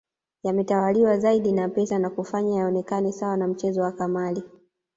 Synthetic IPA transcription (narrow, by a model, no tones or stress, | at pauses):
jamɛtawaliwazaiɗinapɛsanakufaɲajaɔnɛkanɛsawanam̩t͡ʃɛzɔwakamali